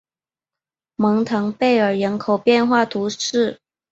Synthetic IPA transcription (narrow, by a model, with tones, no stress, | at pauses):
mɤ˧˥ŋt̪ʰɤ˧˥ŋpe˥˩ɪə˞˨˩ɻə˧˥nkʰo˨˩ʊpjɛ˥˧nxwa˥˩t̪ʰu˧˥ʂɻ̩˥˩